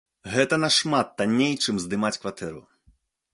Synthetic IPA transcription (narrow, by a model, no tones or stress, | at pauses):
ɣɛt̪ɐnɐʂmat̪ːanʲːejt͡ʂɨmzd̪ɨmat͡sʲkvat̪ɛɾṵ